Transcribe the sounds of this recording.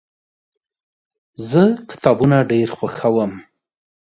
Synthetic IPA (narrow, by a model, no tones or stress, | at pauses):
zəkɪ̥t̪ɑbunaɖeɾxwaxawəm